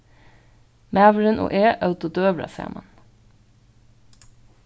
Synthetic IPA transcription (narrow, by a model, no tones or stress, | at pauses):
mæːʋəɾənʔo̰ːʔeːʔœʉt̪ʊd̪øːʋɾɑ̰sḛːmʔɑ̰n